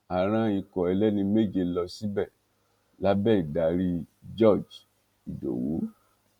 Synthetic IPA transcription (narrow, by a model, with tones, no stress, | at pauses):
a˨ɾ̃ã˧i˧kɔ˨ɛ˨˧lɛ˦nĩ˧me˦˨d͡ʒe˧˨lɔ˧si˦bɛ˦˨ | la˦bɛ˦˨i˨da˨ɾi˧d͡ʒɔ˦˨d͡ʒ | i˨do̰˨wṵ˨˦